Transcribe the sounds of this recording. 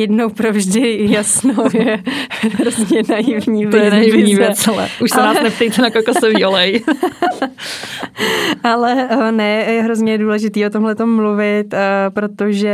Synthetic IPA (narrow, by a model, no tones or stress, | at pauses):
jɛdnowpɾovʒdɪjasnowjɛɾozɲɛnajɪvɲiːvɛnajɪvɲiɛslɛ̰ʔuʃsɛaːsnɛp̚t̪ɛjt̪ɛnakolkossɛviʔolɛj | ʔalɛnɛjɛɦɾozɲɛduːlɛʒɪt̪iːʔot̪omɦlɛt̪o̞mːluvɪt̪pɾo̞t̪oʒɛ